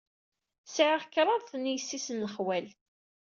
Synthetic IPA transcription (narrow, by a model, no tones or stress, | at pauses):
sʕəʁkːɾˤɑðθənːjsːisənːəχwæl